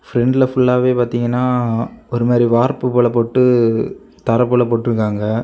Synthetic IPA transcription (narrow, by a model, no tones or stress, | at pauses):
fɾɛɳɖlɐfʊɭːaːʋeːpaːɾt̪iːŋɡɐnːaːɔɾɯmaːɾiʋaːɾpɯpɔːɭɐpːoʈːɯ | t̪ɐɾɐpːoːɭɐpɔːʈːɯɾɯkːaːŋɡɐ